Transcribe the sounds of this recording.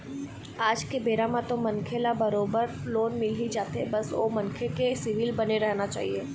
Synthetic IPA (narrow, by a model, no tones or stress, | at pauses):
aːd͡ʒkebeːɾamãt̪omɐ̃nkʰelabɐɾoːbəɾloːnmɪlɦid͡ʒaːt̪ebɐso̰mɐnkʰekesɪʋilbɐneɾɛɦnat͡ʃa̰ːɦieː